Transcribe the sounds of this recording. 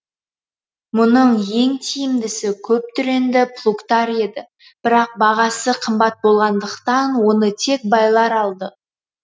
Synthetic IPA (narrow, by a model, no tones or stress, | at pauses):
mʊnəɴje̞ŋt̪ʰijɪmd̪ɪsɪkʲʰɵp̚t̪ʰʏɾe̞nd̪ɪpʰlˠukt̪ɑɾe̞d̪ɪ | b̥ɪɾɑq̚bɑʁɑsəqʰəmbɑt̪̚bo̞lˠʁɑnd̪əqt̪ɑnwo̞nət̪ʰe̞k̚bɑjlˠɑɾɑlˠd̪ə